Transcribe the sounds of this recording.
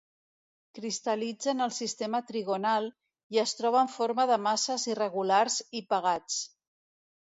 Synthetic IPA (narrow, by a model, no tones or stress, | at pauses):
kɾist̪əlid͡zənəlˠsist̪emət̪ɾiɣonalˠ | iəst̪ɾɔβəɱfoɾməðəmasəzirəɣulaɾzipəɣat͡s